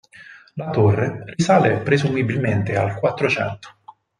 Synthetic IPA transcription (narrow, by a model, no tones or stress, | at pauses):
lat̪orːerisaːlepɾezumibilment̪ealkwat̪ːɾot͡ʃɛ̰nt̪o̥